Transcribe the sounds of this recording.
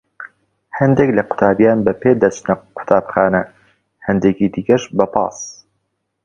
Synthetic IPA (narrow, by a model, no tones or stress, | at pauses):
hɐnd̪eklɐqʊ̥t̪ʰaːbjaːnbɐpeːd̪ɐt͡ʃnɐqʰʊ̥t̪ʰaːbxaːnɐ | hɐnd̪eːkiːd̪ikɐʃbɐpɑ̰ːs